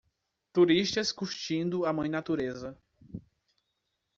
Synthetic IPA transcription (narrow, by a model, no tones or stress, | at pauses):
t̪uɾiʃt̪ɐskuɾt͡ʃĩnd̪ʊamɐ̃j̃nat̪uɾezɐ